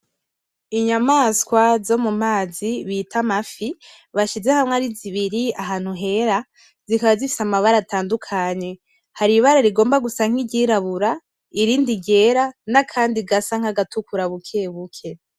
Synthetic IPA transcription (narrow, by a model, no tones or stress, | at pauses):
iɲamaskwazo̞mum̥aːziβitʰamafi | βaʃize̞hamŋaɾiziβiɾiaɦaːn̥huɦe̞ɾa | zikaβazifi̥samaβaɾatʰaːndukʰaɲe̞ | haɾiβaɾaɾiɡo̞ːmbaɡusaŋ̥iɟiːɾaβuɾa | iɾiːndiɟe̞ɾanakʰaːndiɡasaŋ̥aɡatukuɾaβukʰe̞βukʰe̞